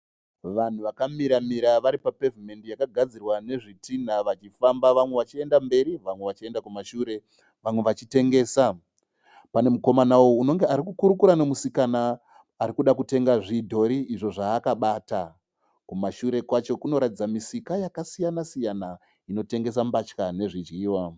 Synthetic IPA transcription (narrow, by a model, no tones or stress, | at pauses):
ʋan̤uʋakamiɾamiɾaʋaɾipape̞vime̞ndijakaɡʱad͡zirwane̞ʐitʰin̤aʋat͡ʃifambaʋamwe̞ʋat͡ʃie̞ndambe̞ɾiʋamwe̞ʋat͡ʃie̞ndakumaʃuːɾe̞ | ʋamwe̞ʋat͡ʃite̞ŋɡe̞ːsa | pane̞muko̞manawouno̞ŋɡe̞aɾikukuɾukuɾanemusikanaː | ɾikuɗakute̞ŋɡaʐidʱo̞ɾiʔːʐo̞ʐaːkaɓata | kumaʃuɾe̞kwat͡ʃo̞kuno̞ɾatid͡zamisikajakasijanasijana | ino̞te̞ŋɡe̞s̬ambat͡ʃkane̞ʐid͡ʒiːwa